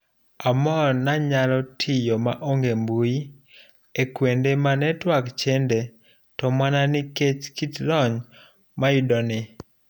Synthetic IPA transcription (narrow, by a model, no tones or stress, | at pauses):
amɔnaɲalɔtʰɪjomaʔoŋɡembui | ekwendemanɛtwakt͡ʃɛnde | tɔmananɪket͡ʃkitlɔɲ | maidɔnɪ